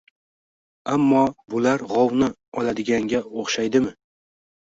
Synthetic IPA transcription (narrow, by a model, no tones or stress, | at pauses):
amːɒbʊlaɾʁɒwnɪ | ɒlad̪ɪɡʲaŋɡʲaoχʃajd̪ɪmɪ